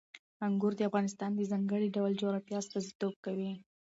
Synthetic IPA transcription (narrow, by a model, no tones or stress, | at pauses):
aŋɡʊɾd̪əafɣɑnɪst̪ɑnd̪əzɑŋɡəɽiɖawld͡ʒoɾɑfjɑst̪ɑzit̪ob̚kawi